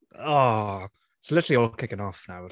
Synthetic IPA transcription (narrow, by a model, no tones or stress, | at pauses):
ɔ | slˠɪtʰəliɔlkʰɪkənɔfnaw